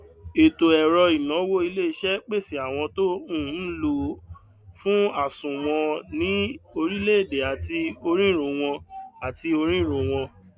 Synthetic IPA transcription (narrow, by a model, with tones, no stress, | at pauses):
e˨to˨ɛ˨ɾɔ˧i˨nɔ̃˨˦wo˦i˧le˦i˧ʃɛ˦k͡pe˦˨si˨a˨w̃ɔ̃˧to˦ũ˦˨˦n̩˦lo˧ | fũ˦a˦˨sũ˨w̃ɔ̃˧nĩ˨˦o˧ɾi˦le˦e˦˨de˨a˨ti˧o˧ɾ̃ĩ˦˨ɾ̃õ˨˧w̃ɔ̃˧a˨ti˧o˧ɾ̃ĩ˦˨ɾõ˨˧w̃ɔ̃˧